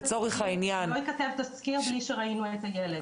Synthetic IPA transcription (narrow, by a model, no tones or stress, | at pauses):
t͡soʁiχainjanojkat̪evt̪askiʁbliʃeʁainuet̪ajele